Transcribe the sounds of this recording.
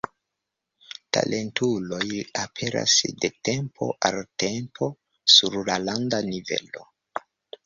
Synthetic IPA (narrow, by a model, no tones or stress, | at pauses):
ta̰lʔe̞ntʰulo̞japʰe̞ɾa̰sde̞tempʰo̞̰ʔalte̞mpʰo̞ | suɾlalandanive̞̰lo̞̰